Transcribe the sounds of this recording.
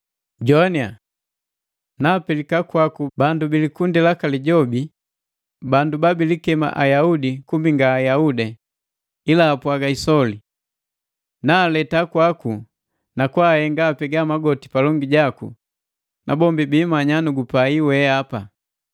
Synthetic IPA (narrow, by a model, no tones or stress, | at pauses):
ɟɔnia̰ | naːpɛlikakwakubandubilikundilakaliɟɔbi | bandubabilikɛma̰ʔajaudikumbiŋɡaːjaudɛ | ilaːpwaɡaisɔli | naːlɛtakwaku | nakwahɛŋɡaːpɛɡamaɡɔti̥palɔŋɡiɟakṵ | nʔa̰bɔmbibiːmaɲanuɡupaiwɛapa